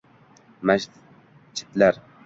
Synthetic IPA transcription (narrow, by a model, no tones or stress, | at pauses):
mæʃ | t͡ʃʰːi̥t̪læɾ